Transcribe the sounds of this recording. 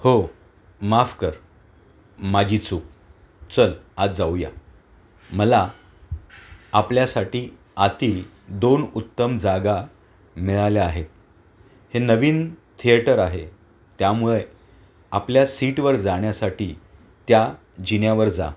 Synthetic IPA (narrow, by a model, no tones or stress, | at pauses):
ho | mafkəɾ | mad͡ʑʱiːt͡suːk̚ | t͡səlad͡zauja̰ | məla | pljasaʈiː | at̪iːl | d̪onut̪ːəmd͡zaɡa | miɭaljaːɦet̪ | henəʋiːnt̪ʰiəʈəɾaɦe | t̪jamuɭe | apljasiʈʋəɾd͡zaɳ̃jasaʈiː | t̪ja | d͡ʑinjaʋəɾd͡za̰